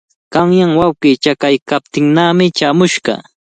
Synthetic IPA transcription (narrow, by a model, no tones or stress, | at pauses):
kɑŋjaŋwawqiːt͡ʃakajkap̚t̪ɪŋnaːmɪt͡ʃaːmʊʃɢɑ̰